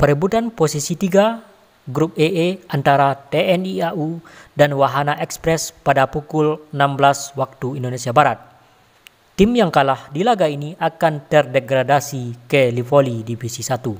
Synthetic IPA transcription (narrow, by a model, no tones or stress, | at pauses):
pəɾibut̪anposisit̪iɡa | ɡɾup̚eʔeʔant̪aɾat̪eɛniaʔudanwaɦanaʔɛkspɾɛspadapukulənamblaswak̚t̪uindonesiabaɾat̪̚ː | imjaŋkalahdilaɡainiakant̪ərdɛɡɾadasikəlifolidifisisat̪u